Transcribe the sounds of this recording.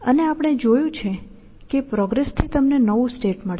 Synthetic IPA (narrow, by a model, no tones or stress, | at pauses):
əneapɽ̃ed͡ʒojũt͡ʃʰe | kepɾɔɡɾest̪ʰit̪əmnenəʋũsʈeʈməɭ